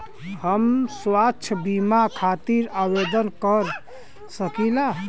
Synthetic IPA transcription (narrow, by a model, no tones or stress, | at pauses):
həmswatːt͡ʃʰəbimakʰat̪iɾawed̪ənkəɾ | səkila